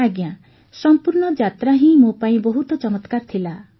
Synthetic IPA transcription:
aɡjã | sɔmpuɾɳɔd͡ʒat̪ɾaɦĩmopaĩbɔɦut̪ɔt͡ʃɔmɔt̪kaɾt̪ʰila

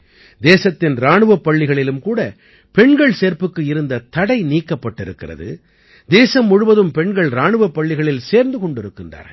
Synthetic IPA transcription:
d̪eːsɐt̪ːɪnɾaːɳɯʋɐpːɐɭːɪɣɐɭɪlɯmkuːɽɐ | pɛɳɡɐɭseːɾpɯkːɯɪɾɯnd̪ɐt̪ɐɽɐɪniːkːɐpːɐʈːɪɾɯkːɪrɐ̰ðɯ̰ | d̪eːsɐmːʊɻʊʋɐðɯmpɛɳɡɐɭɾaːɳɯʋɐpːɐɭːɪɣɐɭɪlseːɾnd̪ɯkɔɳɖɪɾɯkːɪndra̰ːɾ

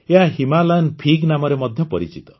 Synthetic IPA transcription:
eɦaɦimalanpʰiɡnamɔɾemɔd̪ʱjɔpɔɾit͡ʃit̪ɔ̥

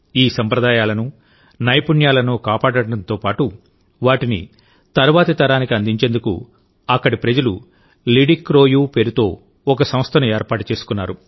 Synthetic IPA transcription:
iːsɐmpɾɐd̪aːjaːlɐnu | nɐjpuɳjaːlɐnukaːpaːɽɐɽɐɽɐnt̪o̞ːpaːʈu | ʋaːʈinḭ | t̪ɐɾʋaːt̪ɐt̪ɐɾaːnikiɐnd̪iɲt͡ʃend̪ukṵ | ɐkːɐɽipɾɐd͡ʒɐlṵ | liɖikːɾo̞ːjuːpe̞ːɾut̪o̞ː | ɔkɐsɐmst̪ʰɐnueːɾpaːʈut͡ʃe̞ːsu̥kunːaːɾu

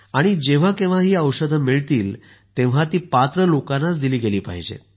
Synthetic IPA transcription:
aɽ̃id͡ʑeʋ̤akẽʋ̤aɦiːəwɕəd̪ʱmiɭt̪iːl | t̪ẽʋ̤at̪iːpat̪ɾəlokanːat͡sd̪iliːɡeliːpa̰ɦid͡ʑḛ

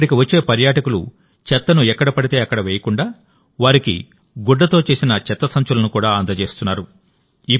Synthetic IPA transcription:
ɽikiʋɐt͡ʃːe̞ːpɐɾjaːʈɐkulṵ | t͡ʃɛt̪ːɐnuɛkːɐɽɐpɐɽit̪e̞ːɐkːɐɽɐʋeːjɐkuɳɖaː | ʋaːɾikḭ | ɡuɖːɐt̪o̞ːt͡ʃe̞ːsinɐt͡ʃɛt̪ːɐsɐɲt͡ʃulɐnukuːɽaːɐnd̪ɐt͡ʃe̞ːst̪unːaːɾu | i

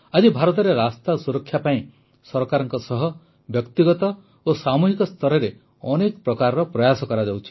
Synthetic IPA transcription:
ad͡ʒibʱaɾɔt̪̬ɔɾeɾast̪asuɾɔkʰːjapaĩ | sɔɾkaɾɔŋkɔsɔɦɔ | bjɔkt̪iɡɔt̪ɔ | osamuɦikɔst̪ʰɔɾɔɾe | ɔnekɔpɾɔkaɾɔɾɔpɾɔjasɔkɔɾad͡ʒawt͡ʃʰi̥

